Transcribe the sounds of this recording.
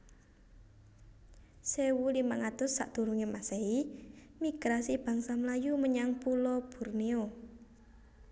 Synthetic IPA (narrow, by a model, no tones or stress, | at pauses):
sewulimaŋat̪ʊsːa̰ʔd̪̥o̤ɾuŋemasei | miɡ̥ɾasib̥a̤ŋsamlajuməɲaŋpulɔb̥ṳrnio